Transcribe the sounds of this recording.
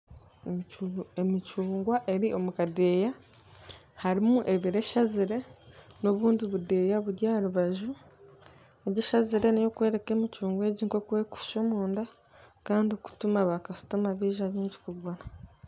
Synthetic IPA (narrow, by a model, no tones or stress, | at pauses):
emit͡ʃuːŋɡwaʔe̞ɾio̞mukade̞ːja | haɾimuʔe̞βiɾe̞ʃaziɾe̞no̞βuːndiβude̞jaβuɾjaːɾuβaʒu | eɟiʃaziɾe̞nejo̞kwe̞ːɾe̞ke̞ːmit͡ʃuːŋɡwe̞ːɟiŋko̞kuwe̞ku̥ʃomuːnda | kaːndioku̥tumaβakasu̥tumaβiːʒaβiːɲɟi̥kuβɡona